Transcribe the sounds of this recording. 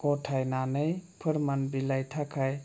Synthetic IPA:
kɔtʰajnanəjpʰɯɾmanbilajtʰakʰaj

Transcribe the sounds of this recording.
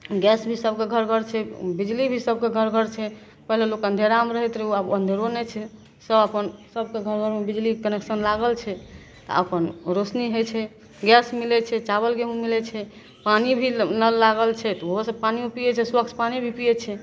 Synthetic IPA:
ɡɛsbʱisəb̚ʱkeɡʱəɾɡʱəɾt͡ʃʰɛbid͡ʒlibʱisəb̚ʱkeɡʱəɾɡʱəɾt͡ʃʰɛ | pəɦlelokənd̪ʱjeɾamɾəɦɛt̪ɾiuabənd̪ʱeɾonɛt͡ʃʰɛ | səbəpənsəb̚ʱkeɡʱəɾɡʱəɾmebid͡ʒlikəneksənlaɡəlt͡ʃʰɛ | t̪ɔ̰ə̰pənɾosniɦojt͡ʃʰɛ | ɡɛsmilɛt͡ʃʰɛt͡ʃaβəlɡeɦũmilɛt͡ʃʰɛ | panibʱiləlaɡəlt͡ʃʰɛt̪ɔoɦosəb̚paniupijɛt͡ʃʰɛswəkt͡ʃʰpanibʱipijɛt͡ʃʰɛ

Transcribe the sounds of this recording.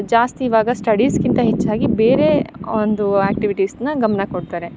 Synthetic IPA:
d͡ʒaːst̪iːʋaːɡɐsʈɐɖiskint̪ɐɦet͡ʃːaːɡibeːɾe̞ond̪uaːk̚ʈiʋiʈiːsnɐɡɐmɐnɐkoɖ̚t̪aːɾe̞

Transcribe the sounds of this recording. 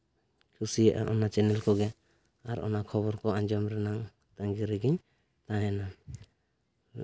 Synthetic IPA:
kʰusiaʔa̰ʔɔnat͡ʃɛnɛlkɔɡɛ | aɾɔ̰nakʰɔβɔɾkɔaɲd͡ʒɔmɾɛnaŋ | t̪aŋɡiɾɛɡiɲ | t̪ãɦɛna

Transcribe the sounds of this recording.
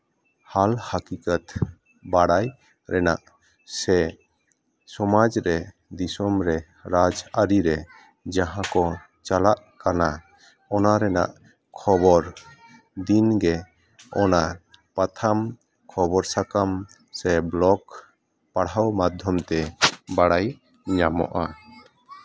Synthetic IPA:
halhakikat̪ | baɽaj | ɾɛna̰ʔ | sɛ | sɔmad͡ʒɾɛ | d̪isɔmɾɛ | ɾad͡ʒaɾiɾɛ | d͡ʒaɦãkɔ | t͡ʃalaʔ | kana | ɔnaɾɛna̰ʔ | kʰɔbɔɾ | d̪inɡɛ | ɔna | pat̪ʰam | kʰɔbɔɾsakam | sɛblɔk | paɽawmad̪ʱjɔmt̪ɛbaɽaj | ɲamɔ̰ʔa

